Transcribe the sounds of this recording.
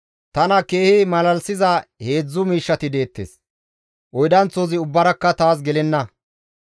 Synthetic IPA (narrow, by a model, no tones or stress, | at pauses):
t̪ɐnɐke̞ːhɪmɐlɐlsɪzɐhe̞ːd͡zːʊmiːʃːɐt̪ɪd̪e̞ːt̪ːḛːs | ʔɔjd̪ɐnt͡soːzɪʊbːɐɾɐkːɐt̪aːs̬ɡɛlɛnːɐ